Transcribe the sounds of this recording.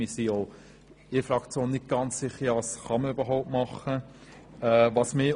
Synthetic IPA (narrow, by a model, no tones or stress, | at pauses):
isioː | ɪfɾɑkt͡sjoːnːɪt̚ɡ̥ɑnt͡sːɪχːəɑsχɑməybəɦɔʊp̚tmɑχə | ɛʋɑsmɪ